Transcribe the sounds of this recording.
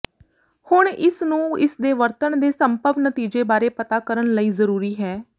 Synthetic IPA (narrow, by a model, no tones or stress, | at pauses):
hʊɳɪsnũːɪ̰sd̪eːʋəɾt̪ənd̪eːsəmpəʋnət̪iːd͡ʒeːbaːɾeːpət̪aːkəɾəɳləiːzəɾuːɾiːɦɛː